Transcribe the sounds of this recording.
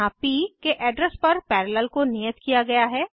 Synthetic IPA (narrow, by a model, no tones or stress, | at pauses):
aːpikeʔɛːɖɾəspɐɾpɛːɾələlkonijət̪kijaɡɐjaɦɛː